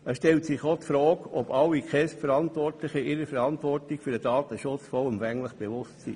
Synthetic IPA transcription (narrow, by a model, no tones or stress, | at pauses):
əsʃtɛltsɪχotfɾɔːkɔbɑlːikχɛstfəɾɑnt̪vɔrtlɪχəʔɪɾəfɛɾɑntʋɔrtikfyɾdəd̥ɑːt̪əʃʊt͡sfɔəmfæŋləχb̥eʋʊstsḭ